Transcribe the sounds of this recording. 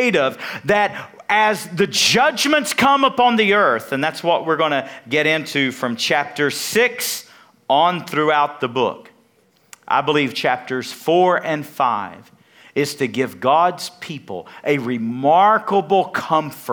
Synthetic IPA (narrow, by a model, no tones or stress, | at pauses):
ɪɾʌvðɨɾ | ʔɨzðɨd͡ʒʌd͡ʒmɨ̃ntskʰʌ̃məpɑ̃nðiɜ˞θɨ̃nðætswʌʔ̚wɪɹɡonɨɡɛɾɪ̃ntʰʉfɹʌ̃mt͡ʃʰæp̚tə˞sɪks | ə̃n̩θɹʉaʊt̪̚ðəbʊ̰k | ʔa̰ɪbəliv̥t͡ʃʰæp̚tə˞z̥fɔɹɨ̃nfa̰ɪv | ɪz̥tʰɨɡɪvɡɑdz̥pʰipl̩ˠʔɨɹɪmɑɹkəbl̩ˠkʰʌ̃ɱfə˞